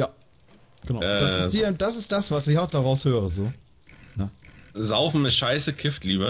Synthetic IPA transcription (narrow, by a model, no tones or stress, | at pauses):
jaː | ɡ̥ənaʊɛdasɪsd̥iːd̥asɪst̚d̥asv̥asɪçaʊxd̥aʁaʊshøːʁəzoː | nəzaʊfn̩mɪʃaɪsəkʰɪftliːbə